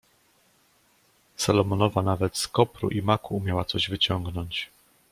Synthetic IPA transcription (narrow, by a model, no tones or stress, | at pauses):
salɔmɔnɔvanavɛt̪skɔpɾṵʔimakuːmʲjawat̪sɔʑvɘt͡ɕɔŋɡnɔɲt͡ɕ